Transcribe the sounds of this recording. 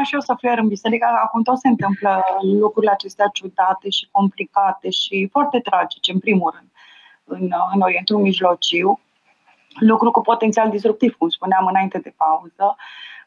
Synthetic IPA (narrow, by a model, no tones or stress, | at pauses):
ʃiosəfeɾɨnbise̞ɾikəakumt̪o̞t̪sent̪ɨmpləlukɾuɾile̞at͡ʃe̞st̪eat͡ʃud̪at̪e̞ʃi̥ko̞mplikat̪e̞ʃifoart̪e̞t̪ɾad͡ʒit͡ʃeɨnpɾimulrɨnd̪̥̚ | ɨnɨno̞ɾie̞nt̪ulmiʒlo̞t͡ʃiw | lukɾukupo̞t̪ent̪siald̪ist̪ɾuk̚t̪iv̥kumspuneamɨnaint̪e̞d̪e̞pauzə